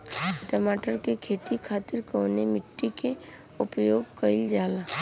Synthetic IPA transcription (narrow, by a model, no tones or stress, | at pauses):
ʈəmaːʈəɾkekʰeːt̪ikʰaːt̪ɪɾkoːnemɪʈːike | ʊpjoːɡkəɪld͡ʒaːlaː